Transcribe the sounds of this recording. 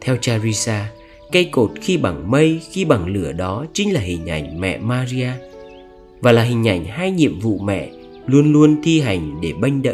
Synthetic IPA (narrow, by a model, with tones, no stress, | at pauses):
t̪ʰɛ˧wt͡ɕaː˧zi˧saː˧ | ka˧jko˨˩t̚xi˧ɓa˧˩ŋmə˧jxi˧ɓa˧˩ŋlɨ˧˩əɗɔ˨˦t͡ɕï˨˦ŋ̟laː˨˩hï˨˩ŋ̟ʔa˧˩jŋ̟mɛ̰˧˨maː˧zi˧aː˧ | vaː˨˩laː˨˩ɦï˨˩ŋ̟ʔa˧˩jŋ̟ɦaː˧jɲḭ˧˨əmvṵ˧˨mɛ̰˧˨ | lu˧ənlu˧ənt̪ʰi˧ɦa˨˩jŋ̟ɗe˧˩ɓa˧jŋ̟ɗə̰˧˨